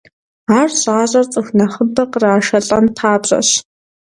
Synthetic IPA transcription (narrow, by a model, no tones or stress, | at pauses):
aːrɕʼaːʑʼɐrt͡sʼɨxnɐχɨbɐqəraːʃɐɬʼɐntʰaːbɕʼɐ̰ɕ